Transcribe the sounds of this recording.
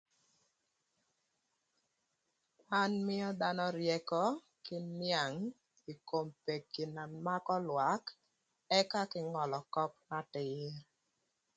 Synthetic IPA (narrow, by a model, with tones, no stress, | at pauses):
a˦nmɪ˦ɔ˦d̪a˦nɔ˦ɾjɛ˦kɔ˦ | kɪ˦nja˨ŋ | i˨ko˨mpe˨kːi˨na˨ma˦kɔ˦lwa˨˦k | ɛ˦ka˦kɪ˦ŋɔ˨lɔ˨kɔ˦pna˦tɪɾ